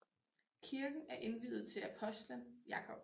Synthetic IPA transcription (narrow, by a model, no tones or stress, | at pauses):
kʰiɐɡ̥n̩æɐʔe̝nʋiðˠð̩ˠt͡sʰe̝læpʰɒ̽sd̥ləjɑ̈kʰɒ̽b̥